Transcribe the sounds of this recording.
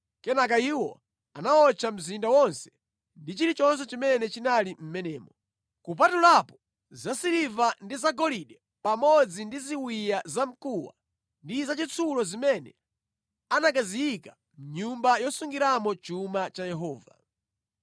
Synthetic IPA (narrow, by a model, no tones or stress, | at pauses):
kɛnakaiwɔ̰ | anawɔt͡ʃʰam̩zindawɔnsɛ̥ | ndit͡ʃiɾit͡ʃɔns̬ɛt͡ʃimɛnɛt͡ʃinalim̩mɛnɛːmɔ | kup̬atulapɔ̥ | zasiɾivandizaɡɔliɗɛ | pamɔd͡zindiziwijazam̩kuwa̰ | ndizat͡ʃit͡sʰulɔzimɛnɛ̰ | anakazijika | m̩ɲumbajɔsuŋɡiɾamɔt͡ʃumat͡ʃajɛɦɔːva̰